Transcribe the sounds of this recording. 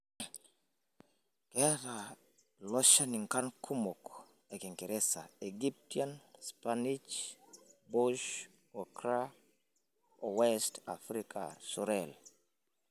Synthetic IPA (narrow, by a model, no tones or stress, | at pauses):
kɛɾa | lɔʃaniŋkankʰumok | ɛkiŋkiɾʔɛsaeɡip̚tianspanit͡ʃ | boʃ | wɔkɾa | owɛsta̰fɾikʰa̰sɔɾɛl